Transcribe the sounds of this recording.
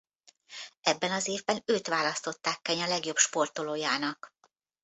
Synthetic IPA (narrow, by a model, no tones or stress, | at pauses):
ɛbːɛnɒzeːvbɛnøːt̪ʋaːlɒst̪o̞t̪ːaːkːɛɲɒlɛɡjo̞bʃpo̞rt̪oloːjaːnɒk